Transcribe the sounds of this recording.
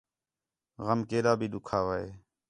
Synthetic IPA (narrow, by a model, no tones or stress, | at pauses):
ɣəmkeːɗaːbʱiːɗ̪ʊkʰaːʋaːeː